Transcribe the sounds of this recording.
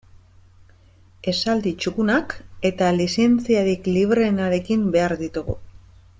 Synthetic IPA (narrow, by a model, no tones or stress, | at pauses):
e̞sald̪it͡ʃukunake̞t̪alise̞nt͡siaɾikliβɾe̞naɾe̞kimbe̞aɾðit̪uɣṵ